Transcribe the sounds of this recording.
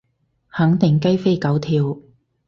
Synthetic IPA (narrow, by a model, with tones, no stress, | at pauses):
hɐ˨˥ŋt̪ɪ˨˩ŋkɐ˥jfe˥jkɐ˨˥wt̪ʰiː˧w